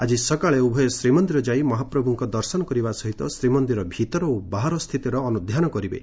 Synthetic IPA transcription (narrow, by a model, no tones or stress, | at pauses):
ad͡ʒisɔkaɭeubʱɔjɔsɾimɔnd̪iɾɔd͡ʒaimɔɦapɾɔbʱuŋkɔd̪ɔɾsɔnɔkɔɾibasɔɦit̪ɔsɾimɔnd̪iɾɔbʱit̪ɔɾɔobaɦaɾɔst̪ʰit̪iɾɔːnud̪ʱjanɔkɔɾibḛ